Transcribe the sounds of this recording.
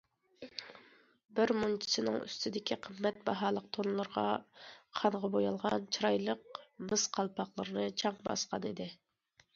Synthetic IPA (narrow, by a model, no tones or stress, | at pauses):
bɪɾmunt͡ʃʰi̥sɨnɨ̰ŋy̰st̪ʰɪd̪ɪkʲʰiqʰəmːɛt̪bɑɦɑːlˠəq̚t̪ʰonlˠəɾʁɑ̰χʰɑnʁɑbojɑlˠʁɑnt͡ʃʰɾɑjlˠəqmɨsqʰɑlˠpʰɑχlˠəɾɨnɨt͡ʃʰɑŋbɑ̰sqɑnɨd̪ɪ